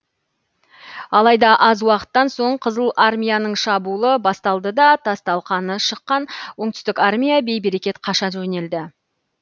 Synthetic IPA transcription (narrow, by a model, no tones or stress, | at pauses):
ɑlˠɑjd̪ɑʔɑzwɑqə̥t̪ːɑnso̞ɴqʰəzəlˠʔarmʲijanəɴʃɑbulˠəbɑst̪ɑlˠd̪əd̪ɑt̪ʰɑst̪ɑlˠqɑnəʃəqːɑnwoɴt̪ʏ̥st̪ɪkarmʲijabe̞jbe̞ɾe̞kʲe̞t̪qʰɑʃɑʒɵne̞ld̪ɪ